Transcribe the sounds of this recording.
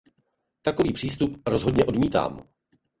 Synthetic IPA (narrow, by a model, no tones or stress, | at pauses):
t̪ako̞viːpr̝̥iːst̪upɾozɦodɲɛʔo̞dmiːt̪a̰ːm